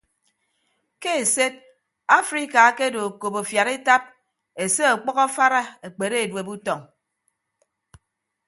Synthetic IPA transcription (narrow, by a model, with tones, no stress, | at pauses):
ke˦e˨se˦d̚ | a˦fɾi˦ka˨˦ke˦do˨ko˨po˨fja˨ɾi˦ta˦p̚ | e˨se˦a˨k͡pɔ˦ɣɔ˦fa˦ɾa˦e˨k͡pe˨ɾe˦e˨dwe˨bu˦tɔ˨ŋ